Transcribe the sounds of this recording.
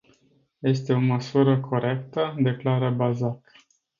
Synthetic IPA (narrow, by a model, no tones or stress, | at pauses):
je̞st̪e̞o̞məsuɾəkʰo̞ɾe̞kt̪əd̪e̞klaɾəbazak